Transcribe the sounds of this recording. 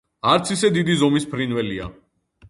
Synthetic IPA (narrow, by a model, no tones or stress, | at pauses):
aɾt̪sʰisɛd̪id̪izɔmispʰɾinvɛlia̰